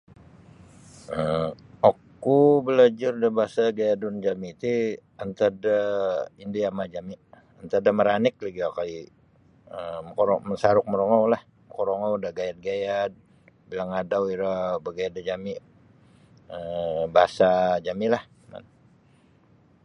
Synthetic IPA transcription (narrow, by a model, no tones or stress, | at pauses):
ə | ok | ubəlad͡ʒardabaasaɡajadʊnd͡ʒamit̪iant̪adaindiamad͡ʒami | ant̪adaməɾanɪk̚liɡiakai | əmkɔɾɔmənsaɾʊk̚məɾoŋawlah | mkoɾoŋawdaɡajat̪̚ɡajat̪̚ | bilaŋadawiɾabəɡajadad͡ʒami | əbaasad͡ʒamilah | ma̰n